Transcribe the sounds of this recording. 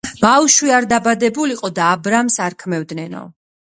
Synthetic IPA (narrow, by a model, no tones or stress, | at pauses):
b̥awʃwiaɾd̪abad̪ɛbuliqʼɔd̪aːbɾamsaɾkʰmɛvd̪nɛnɔ̰